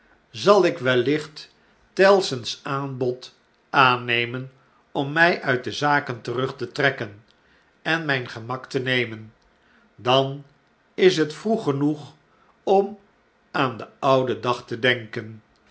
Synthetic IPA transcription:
zɑlˠɪkʋɛlːɪχt | tɛlˠsənsaːnbɔt | ʔaːnejmən | ɔmːɛjʔœɥt̚dəzaːkəntərɵχtətrɛkən | ɛnmɛjnχəmɑktənejmən | dɑn | ɪs̬ɦətfruχənuχ | ɔm | aːndəʌwdədɑχtədɛŋkən

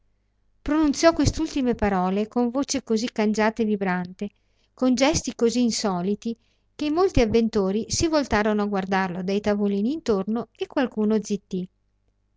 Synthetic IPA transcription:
pɾonunt̪sjɔkːwest̪ult̪imepaɾɔːlekoɱvoːt͡ʃekozikːand͡ʒaːt̪evibɾant̪e | kond͡ʒɛst̪ikoziːnsɔːlit̪i | k̟emːolt̪iavːent̪oːɾisivolt̪aːɾonoaɡward̪arlod̪ajt̪avoliːniːnt̪ornoekːwalkuːnod̪zit̪ːi

